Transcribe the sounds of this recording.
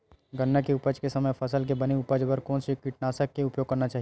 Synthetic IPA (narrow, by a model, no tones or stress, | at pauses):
ɡənːakeʊpəd͡ʒkesɐməjpʰɐsəlk̬ebɐniʊpəd͡ʒbəɾkɔːnsikiʈ̚naːsəkːeʊpjoːɡ̚kɐɾnat͡ʃaːɦi